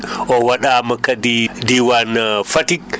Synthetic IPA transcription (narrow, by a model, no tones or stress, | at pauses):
ʔɔwaɗamɐkadidiwanfatik